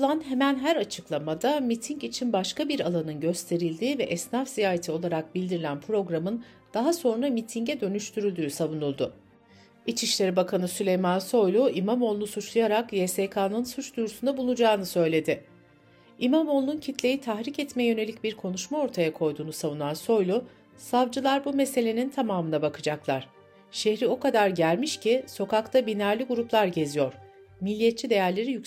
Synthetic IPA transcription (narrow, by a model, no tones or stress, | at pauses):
lˠanɦemænɦæɾat͡ʃʰɯklˠamad̪amit̪ʰiɲcit͡ʃʰinbaʃkabiɾalˠanɯnɟø̞st̪ʰe̞ɾilʲd̪iːvɛʔɛsnafzijaːɦat̪ʰio̞lˠaɾak̚bilʲd̪iɾilʲænpʰɾo̞ɡɾamɯn | d̪̥aɦaso̞nɾamit̪ʰiɲɟɛd̪ø̞nyʃt̪ʰyɾylʲd̪yːsavunulˠd̪ʊ | it͡ʃʰiʃlʲe̞ɾibakʰanɯsylʲejmanso̞jlʲˠuimamo̞lˠnusut͡ʃlˠajaɾakjesekʰaːnɯnsut͡ʃd̪ujɾusund̪abulˠud͡ʒaːnɯsø̞jlʲe̞d̪ɪ | imamo̞lˠːuncʰit̪ʰlʲe̞jit̪ʰaxɾicɛt̪mɛjø̞ne̞lʲicbiɾkʰo̞nuʃmao̞ɾt̪ʰajakʰo̞jd̪uːnusavunanso̞jlˠu | savd͡ʒɯlˠaɾbume̞se̞lʲe̞nint̪ʰamaːmɯnabakʰɯd͡ʒaklˠaɾ̥ | ʃeçɾio̞kad̪aɾɟælʲmiʃcʰiso̞kakt̪ʰabinæɾlʲiɡuɾuplˠaɾɟe̞zijo̞ɾ̥ | milʲːiːjɛt̪t͡ʃʰid̪e̞jæɾlʲe̞ɾijy